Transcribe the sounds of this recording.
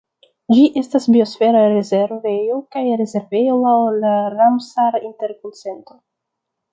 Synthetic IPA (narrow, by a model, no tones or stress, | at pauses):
d͡ʒiʔe̞stasbio̞sfe̞ɾaɾezeɾvejokajɾe̞ze̞ɾvejoawlaɾamsaɾinte̞ɾkonse̞nto̞